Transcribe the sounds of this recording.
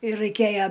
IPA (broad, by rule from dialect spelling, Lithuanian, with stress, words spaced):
ɪr rɐɪˈkʲeːjɛ